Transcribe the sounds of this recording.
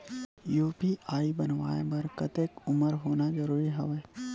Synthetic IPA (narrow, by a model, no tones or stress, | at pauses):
juːpiaːibɐnʋaːebɐɾkɐt̪eːkʊməɾɦoːnazɐɾuːɾiɦɐʋeː